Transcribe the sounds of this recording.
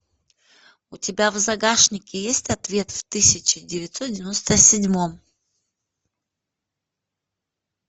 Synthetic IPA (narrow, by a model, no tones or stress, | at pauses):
ʊtʲɪbʲavzɐɡaʂnʲɪkʲɪjesʲtʲɐt̪vʲe̞t̪ft̪ɨsʲɪt͡ɕɪdʲɪvʲɪt̪sot̪dʲɪvʲɪnost̪əsʲɪdʲmom